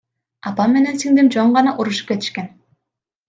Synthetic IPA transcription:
ɑpɑmːe̞ne̞nsiŋd̪imd͡ʒoɴɢɑnɑʔuɾuʃu̥p̚ket̪i̥ʃke̞n

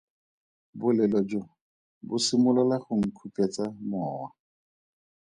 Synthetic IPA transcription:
bʊlɛlɔd͡ʒo | bʊsimʊlalaχʊŋ̩kʰupɛt͡samɔːwa

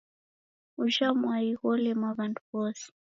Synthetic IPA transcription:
uʃamwaiɣɔlɛmwaβantuβɔsi̥

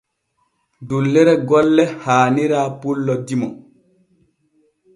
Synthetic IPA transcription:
dulːɛɾɛɡɔlːɛhaːniɾaːpulːɔdimɔ̰

